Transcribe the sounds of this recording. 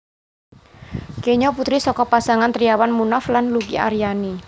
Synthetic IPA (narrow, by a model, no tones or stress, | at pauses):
keɲɔput̪ɾisɔkɔpasaŋant̪ɾiawanmunaflanlukḭa̰ɾjani